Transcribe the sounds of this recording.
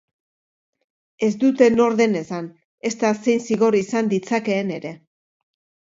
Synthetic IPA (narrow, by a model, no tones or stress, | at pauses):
e̞zd̪ut̪e̞no̞ɾðe̞ne̞san | e̞st̪ase̞jnsiɣo̞ɾisand̪it͡sake̞ːne̞ɾe̞